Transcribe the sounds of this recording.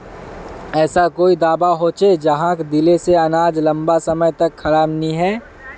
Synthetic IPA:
ɛːsakoːid̪aːbaɦoːt͡ʃed͡ʒɐɦãkd̪ɪleseɐnaːd͡ʒlɐ̃mbasɐməjt̪ɐkxɐɾaːbniɦɛː

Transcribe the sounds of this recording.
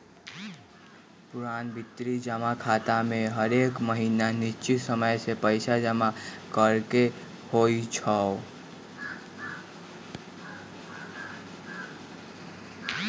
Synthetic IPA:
puɾanbʱit̪ːɾid͡ʒəmakʰat̪amẽɦəɾekməɦinanit͡ʃisəməjsepəɪsad͡ʒəmakəɾke | hoit͡ʃʰəo

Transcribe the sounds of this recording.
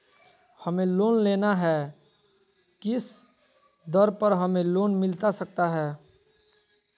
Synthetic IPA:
hɐmẽloːnleːnaɦɛː | kɪs | d̪əɾpəɾɦɐmẽloːnmɪlt̪asək̚t̪aɦɛː

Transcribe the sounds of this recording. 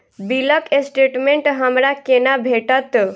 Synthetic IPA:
biləkesʈeʈmeɳʈɦəmɾakenabʱeʈət̪

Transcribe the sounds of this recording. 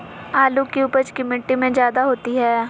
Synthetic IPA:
aːluːkiupət͡ʃkɪmɪʈːimẽd͡ʒjaːd̪aɦoːt̪iɦɛː

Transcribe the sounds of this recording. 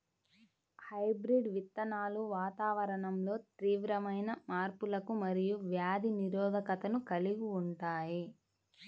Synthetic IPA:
hɐjbɾiɖʋit̪ːɐnaːluʋaːt̪aːʋɐɾɐɳɐmlo̞ːt̪ɾiːʋɾɐmɐjnɐmaːɾpulɐkumɐɾijuʋjaːd̪ʱiniɾɔːd̪ʱɐkɐt̪ɐnukɐliɡuːɳʈaːji

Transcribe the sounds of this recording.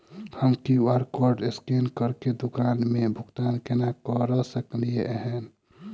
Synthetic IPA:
həmkiaɾkɔɾɖeskenkəɾked̪ʊkanmebʱʊɡt̪ankenakəɾəsəklieʔɦən

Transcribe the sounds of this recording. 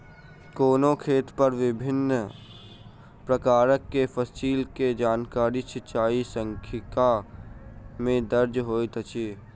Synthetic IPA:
koːnõkʰeːt̪pəɾʋɪbʱɪn | pɾəkaːɾəkːepʰəsiːlked͡ʒaːnkaːɾit͡ʃʰɪt͡ʃaːisə̃ŋkʰɪka | mẽd̪əɾd͡ʒɦoːit̪ət͡ʃiː

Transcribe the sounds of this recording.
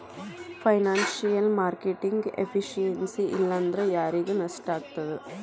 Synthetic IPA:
pʰɐjnaːnsijɐlmaːɾkeʈiŋɡepʰiʂijensiʔḭlːɐːnd̪ɾejaːɾiɡenɐsʈaːɡ̚t̪ɐd̪e

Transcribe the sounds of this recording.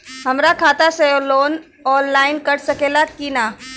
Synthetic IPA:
ɦɐmɾakʰaːt̪asejoloːn | ɔːnlaːɪnkɐɾsɐkeːlakina

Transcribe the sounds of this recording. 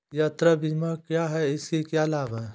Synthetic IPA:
jat̪ɾabʱiːmakjaɦɛɪskekjalaːba

